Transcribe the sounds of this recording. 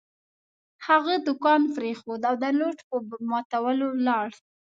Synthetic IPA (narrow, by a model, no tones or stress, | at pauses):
haɣad̪ʊkɑnfɾexod̪awd̪ənoʈpəmɑt̪awəlolɑɽ